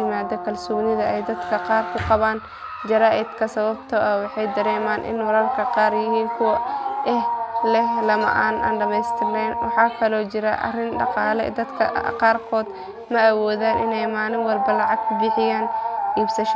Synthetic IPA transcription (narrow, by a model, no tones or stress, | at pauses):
ɪmaːd̪ɔkʰɐlsʊbnɪðɐɛjd̪ɐd̪kʰɐqɑːrkʰʊqɑβaːn | d͡ʒɐɾaːʔɪd̪kʰɐsɐβɐbt̪ʰɔʔɐwɑħɑjd̪ɐɾɛːmaːnʔɪ̰nwɑɾɐrkʰɐqɑːrjɪɦiːŋkʰʊwɐʔɛhlɛɦlɐmɐ̰ʔaːnʔa̰ːnɖɐmɛjst̪ʰɪɾɛnwɑħɑːkʰɐlɔːt͡ʃɪɾɐʔɐ̰rɪnɖɑ̰qɑːlɛ̰d̪ɐd̪kʰɐ̰qɑːrkʰɔːd̪ | mɐɐwɔːðaːnʔɪ̰nɛjmaːlɪŋwɑlbɐlɑʕɑɡ̚ʊbɪħɪjaːnʔiːbsɐʃ